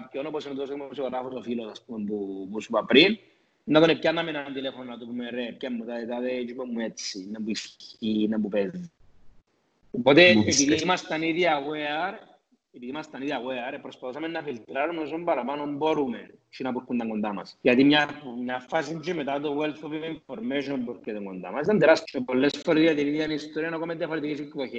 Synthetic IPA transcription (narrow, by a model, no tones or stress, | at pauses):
pconoposint̪oskmepsikoɾafosofilosaspumebupusupɐpɾin | nːɐðonepcanːɐmenɐnt̪ilefononɐt̪opumeɾep̚camːut̪aðet̪aðed͡ʒumemːuet͡sːinɐbuisinapupeːi | opot̪eepiðimɐst̪ɐniðiɐɣeɐɾ | epiðimast̪ɐniðiaweaɾepːɾospaθos̬amenːɐfilt̪ɾaɾumes̬ombɐɾapanomboɾument͡ʃinɐpuɾkund̪ɐŋɡond̪amɐ̰sʝɐt̪imɲamɲafas̬ind͡ʒimet̪at̪owelθopeiɱfoɾmeʃompoɾket̪oŋɡond̪a̰masit̪and̪eɾast̪t͡ʃepolːesfoɾiðiat̪iniðianist̪oɾianakomeðjɐfoɾet̪ikis̬ekːoçe